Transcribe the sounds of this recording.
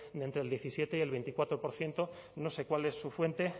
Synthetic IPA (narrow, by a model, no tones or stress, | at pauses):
d̪e̞nt̪ɾe̞lje̞θisje̞t̪eie̞lβe̞nt̪ikwat̪ɾo̞po̞ɾθje̞nt̪o̞ | no̞se̞kwale̞sːufwe̞nt̪e̞